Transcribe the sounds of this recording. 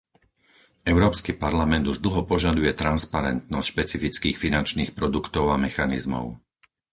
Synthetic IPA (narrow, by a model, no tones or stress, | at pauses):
ɛʊɾɔːpskipaɾlamɛnd̪uʒd̪l̩ɦɔpɔʒad̪ujɛt̪ɾanspaɾɛ̰nt̪̚nɔscʃpɛt͡sifit͡skiːxfinant͡ʃniːxpɾɔd̪ukt̪ɔʊamɛxanḭzmɔ̰ʊ